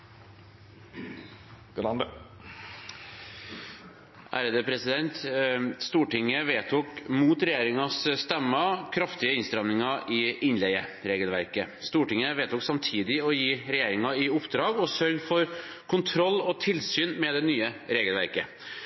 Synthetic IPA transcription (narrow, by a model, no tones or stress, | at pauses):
ɡlɑnd̪ə | ʔæ̰ɾəd̪əpʰɾɛsɪd̪ɛnt̪st̪uːʈɪŋːəʋeːt̪ʰuːkmuːt̪ɾɛjeːɾɪŋɑsst̪ɛmːɑkʰɾɑft̪ɪəɪnst̪ɾɑʋnɪŋɑʔɪɪnlɛɪəɾeːɡəlʋæ̰ɾkəst̪uːʈɪŋːəʋeːt̪uːksɑmt̪ʰiːd̪ɪɔjiːɾɛjeːɾɪŋɑɪʊpd̪ɾɑːɡɔsœlːfɔɾ | kʰʊnt̪ʰɾɔlːɔt̪ʰɪlsyːnmɛd̪ɛnyːəɾeːɡəlʋæ̰ɾkə